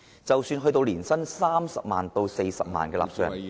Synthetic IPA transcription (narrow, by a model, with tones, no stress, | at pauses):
t͡sɐ˨wsyː˧nɦɵ˧ɥt̪o˧wliː˨˩nsɐ˥nsaː˥msɐ˨p̚ma̰ː˨nt̪o˧wse˧jsɐ̰˨p̚ma̰ː˨nkɛː˧la̰ː˨p̚sœ̰ː˨˩ŋ